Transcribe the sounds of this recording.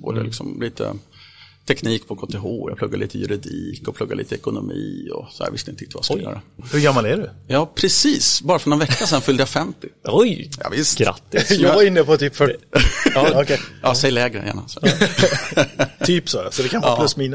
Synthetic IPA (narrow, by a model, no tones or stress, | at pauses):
boːd̪əlɪksɔmliːt̪ʰə̰ | t̪ʰɛkniːk̚pʰɔkʰɔt̪ːɛɦoːja̰pʰlɵɡːaɭiːt̪əjɵɾɪd̪iːkɔpʰlɵɡːaɭiːt̪əɛkʊnʊmiːɔsɔd̪æ̰ːɾvɪst̪ɛɪnt̪ːɪt̪ːəvask̪ːə̰ɾɛhɵɡamːalæɖɛjɑːpʰɾɛsiːsbɑːɾafɾɔɳɛnvɛkːasɛnfʏld̪əjafɛmt̪ɪɔjjɑ̰ːvɪst̪ɡɾa̰t̪ːɪjɑːvaɾɪnːəpɔt̪ʰyːpfœʈː | ɔkɛjɑːsɛjːlɛːɡɾə̰jæ̰ːɳasɔ | yːpsɔːɾasɔd̪ɛkʰanɑːlɵsmiːn